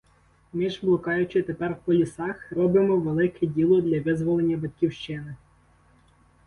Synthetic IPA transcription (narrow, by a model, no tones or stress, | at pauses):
mɪʒblˠɔkɑjʊt͡ʃɪt̪epɛrwkɔlʲisɑxrɔbɪmɔʋelˠɪkɛdʲilˠɔd̪lʲɐʋɪzʋɔlˠenʲːɐbɐt̪̚ʲkʲiwʃt͡ʃɪnɪ